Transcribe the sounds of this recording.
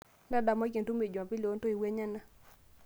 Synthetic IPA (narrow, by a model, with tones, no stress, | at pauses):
nda˦da˨ma˦ke˨ntu˦mi˨d͡ʒa˨pi˦lo˦nto˦i˨we˦ɲa˦na˦